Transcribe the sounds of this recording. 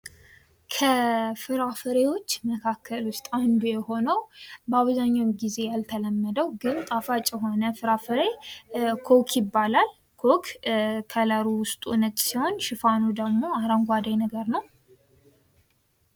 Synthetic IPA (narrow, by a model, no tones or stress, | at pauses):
kʰəfɨɾafəɾewo̞t͡ʃːməkʰakʰːəlwʊst̪ʼand̪ujɛho̞nəwbəaβzaɲːawɡize̞jalt̪ʰələmːəd̪əwɡɨnt̪ʼafat͡ʃʼɛɦo̞nəfɨɾafəɾekʰokʰjɪbːalal | kʰokkʰələɾuwʊst̪ʼunət̪ʼsiho̞nʃɪfanud̪əɡmo̞aɾaŋɡʷad̪ajnəɡəɾnəw